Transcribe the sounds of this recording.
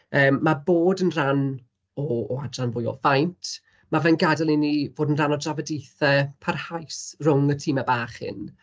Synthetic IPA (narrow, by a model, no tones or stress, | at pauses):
əːmːaboːdənran | ɔːadranvʊjɔ̰fajntʰ | mavɛnɡadalˠinivoːdənranɔdravədejθɛpʰarhajsrʊŋətʰiːmabaːχɪ̰n